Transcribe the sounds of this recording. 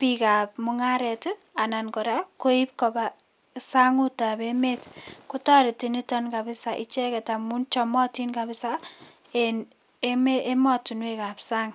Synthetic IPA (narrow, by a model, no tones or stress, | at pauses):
pikap̚mʊŋaɾɛt | anankɔɾakoip̚kɔba | saŋutabemetkutaɾitinitɔnkabɪsaʔḭt͡ʃɛkɛtamunt͡ʃɔmɔtinkabɪsa | en | emeemɔtunwekapsaːŋ